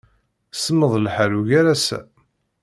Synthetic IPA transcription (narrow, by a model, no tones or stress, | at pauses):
səməðˤlħaɾuʝaɾæsæ̰